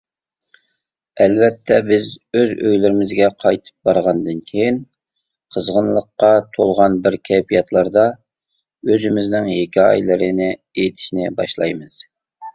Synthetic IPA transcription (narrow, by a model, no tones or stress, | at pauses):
ɛlvɛt̪ʰːɛbɪzøzø̰jlɪɾɪmɪzɡʲɛqʰɑjt̪ʰɨ̥p̚bɑɾʁɑnd̪ɨnkʲʰejin | qʰəzʁənlˠəqːɑt̪ʰolˠʁɑnbɪɾkʲʰɛpʰijɑt̪ʰlˠɑɾd̪ɑ | øzɪmɪznɪŋɦekʲiɑ̰jlˠɪɾɪnɪet̪ʰɪ̥ʃnɪbɑʃlˠɑ̰jmɨz̥